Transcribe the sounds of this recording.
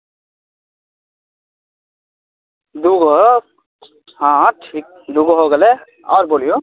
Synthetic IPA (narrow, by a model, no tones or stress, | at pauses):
d̪uɡɔ | hãʈʰik̚d̪uɡɔɦoɡəle | ɔ̰ːɾboːlijo